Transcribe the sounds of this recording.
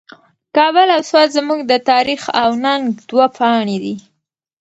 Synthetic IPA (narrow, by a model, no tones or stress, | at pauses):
kɑβəlawswɑt̪zmuɡd̪ət̪ɑɾixawnaŋɡd̪wapʰɑɳed̪i